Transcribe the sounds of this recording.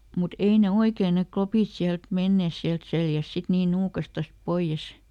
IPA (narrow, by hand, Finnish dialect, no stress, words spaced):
mut ei ne oikeː ne klopiˑt siælt menːeˑs siælt seljæs sit niː nuːkɑstɑs poij̆es